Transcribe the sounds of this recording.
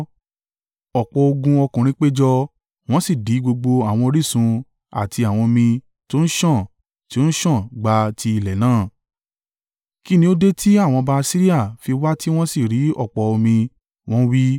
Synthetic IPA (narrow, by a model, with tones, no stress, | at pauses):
ɔ˨k͡pɔ˨o˧ɡũ˧ɔ˧kũ˨ɾ̃ĩ˧k͡pe˦d͡ʒɔ˧ | w̃ɔ̃˦si˦˨di˨˦ɡ͡bo˧ɡ͡bo˧a˨w̃ɔ̃˧ɾi˦˨sũ˧ | a̰˨tʰi˧a˨w̃ɔ̃˧o˧mĩ˧ | to˦n̩˦ʃɔ̃˦˨ | ti˦o˦n̩˦ʃɔ̃˦˨ɡ͡ba˧ti˧i˨lɛ˨nãː˦˨ | ki˦nĩ˧˦o˦de˦tʰi˦a˦˨w̃ɔ̃˧ba˧si˦ɾi˦a˦˨fi˧wa˦ti˦w̃ɔ̃˦si˦˨ɾi˨˦ɔ̰˦˨k͡pɔ˨o˧mĩ˧ | w̃ɔ̃˦wi˦